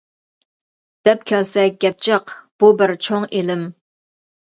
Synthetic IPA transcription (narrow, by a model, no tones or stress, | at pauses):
d̪̥ɛp̚kʲʰɛlsɛɡʲɛp̚t͡ʃʰəqb̥ubɪɾt͡ʃʰoŋelɪm